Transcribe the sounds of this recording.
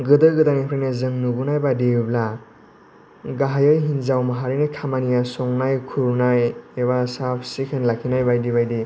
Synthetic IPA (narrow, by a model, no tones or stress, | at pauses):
ɡɯdɯɡɯdanepʰɾajnazɯŋnubunajbadibla | ɡaɦajɯjɦinzawmaɦaɾɯnajkʰamanijasɔŋnajkʰuɾnajeβasapʰsikʰenlakʰinajbajdiβajdi